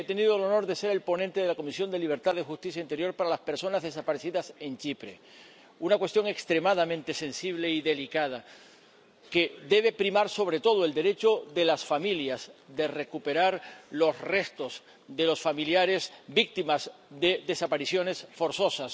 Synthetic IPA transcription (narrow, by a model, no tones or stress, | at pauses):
et̪e̞nið̞olo̞no̞ɾðe̞se̞ɾe̞lpo̞nent̪eðelako̞misjo̞nd̪e̞liβ̞e̞ɾt̪aðe̞xust̪iθjaint̪e̞ɾjo̞ɾpaɾalaspe̞ɾso̞nazðe̞sapaɾeθiðase̞nt͡ʃipɾe̞̰ | unakwe̞st̪jo̞ŋe̞kst̪ɾe̞maðamẽnt̪e̞se̞nsiβle̞iðe̞likað̞a | ke̞ðe̞βe̞pɾimaɾso̞β̞ɾe̞t̪o̞ð̞oe̞ld̪e̞ɾe̞t͡ʃo̞ðe̞lasfamiljazðe̞re̞kupe̞ɾaɾlo̞sre̞st̪o̞z | ðe̞losfamiljaɾe̞sbik̚t̪imazðe̞ðe̞sapaɾisjo̞ne̞sfo̞ɾso̞sas